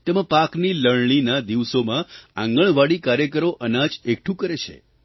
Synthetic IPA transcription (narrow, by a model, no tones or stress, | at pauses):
t̪emãpakniləɭɳ̃inad̪iʋsomãã̰ŋɡəɳ̃ʋaɽikaɾjəkəɾoʔənad͡ʒek̚ʈʰũkəɾet͡ʃʰḛ